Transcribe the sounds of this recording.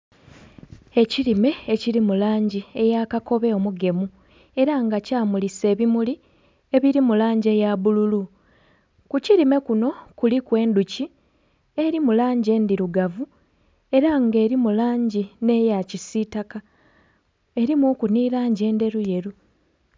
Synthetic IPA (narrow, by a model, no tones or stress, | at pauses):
e̞ciɾime̞ːciɾimulaːɲɟie̞jaːkako̞βe̞omuɡe̞mu | e̞ɾaŋɡacaːmulise̞ːβimuli | e̞βiɾimulaːɲɟe̞jaβululu | kuciɾime̞kuno̞kulikwe̞ːnduci | e̞ɾimulaːɲɟe̞ːndiɾuɡavu | e̞ɾaŋɡe̞ːɾimulaːɲɟine̞jacisitaka | e̞ɾimoːkuniːɾaːɲɟe̞ːnde̞ɾuje̞ɾu